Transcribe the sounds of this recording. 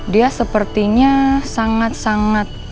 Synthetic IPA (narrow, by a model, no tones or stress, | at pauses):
diasəpərt̪iɲasaŋat̪̚saŋat̪̚